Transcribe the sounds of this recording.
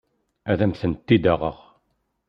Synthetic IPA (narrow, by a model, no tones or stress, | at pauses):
æðæmθənt̪ːid̪æʁə̰ʁ